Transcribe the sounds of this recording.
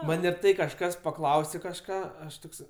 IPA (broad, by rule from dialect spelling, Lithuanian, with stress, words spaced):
ˈmɐnʲ ɪr ˈtɐɪ kɐʃˈkɐs pɐkˈlˠɐʊsʲeː kɐʃˈkɑː ˈɐʃ ˈtoːks